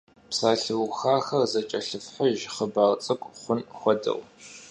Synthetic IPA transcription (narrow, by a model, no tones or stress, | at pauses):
psaːɬɨwxaːxɐrzɐt͡ʃʼɐɬɨfħəʒχəbaːʁt͡sʼɨkʷʼχʷʊnxʷɔdɐ̰w